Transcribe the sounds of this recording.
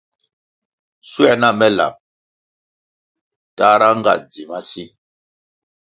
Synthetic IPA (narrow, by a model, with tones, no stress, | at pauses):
swɛ˦˨na˦˨mɛ˦la̰˨m̚ | ta˦ɾa˦ŋ˦ɡa̰˨d͡zi˨ma˦si˦